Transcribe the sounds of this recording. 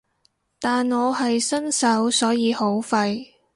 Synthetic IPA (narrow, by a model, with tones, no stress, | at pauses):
t̪aː˨nŋɔː˨˧hɐ˨jsɐ˥nsɐ˨˥wsɔː˨˥jiː˨˧ho˨˥wfɐ˧j